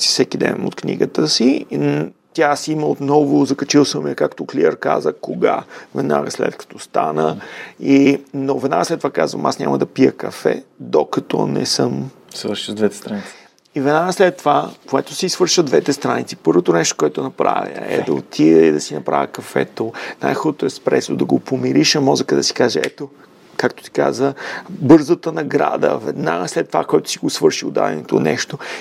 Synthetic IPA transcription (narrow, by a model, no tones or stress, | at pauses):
si̥fsɛk̟id̪ɛ̰no̰t̪̚knḭɡət̪əsi | t̪ʲjasiməot̪nɔvozɐkɐt͡ʃilˠsəmiəkakt̪okliəɾka̰zəkoɡavɛd̪na̰ɡəslɛ̰t̪kɐ̥t̪ɔst̪anəinovɛd̪na̰ɡəslɛt̪ːovakazvə̰masnɲʲa̰mɐd̪ɐpiəkɐfɛ̰d̪okɐt̪ɔnɛ̰səm | svəɾʃd̪vɛt̪ɛ̥st̪ɾanis | ivɛd̪naɡəslɛt̪ːovakoɛt̪o̥siisvɤɾʃvəd̪vɛt̪ɛst̪ɾanit̪si̥pɤɾvot̪onɛʃt̪o̥koɛt̪onɐpɾa̰vʲə̰ɛ̰d̪ɐot̪ʰivɛid̪ɐsinɐpɾa̰vʲəkɐfɛt̪onajxɔd̪ot̪oɛspɾɛsod̪ɐɡopomiɾiʃɐmɔzəkəd̪ɐsi̥kaʒɛɛ̰t̪o | kakt̪o̥t̪i̥ka̰zəbɤɾzət̪ənɐɡɾa̰d̪ə̰vɛ̰d̪na̰slɛt̪ːvakoɛt̪o̥siɡosvɤɾʃiod̪a̰d̪ɛ̰nɛt̪o̰nɛʃt̪o